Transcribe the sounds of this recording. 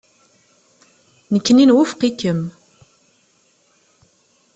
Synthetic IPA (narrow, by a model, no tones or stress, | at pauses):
nəkːəninwufqikːəm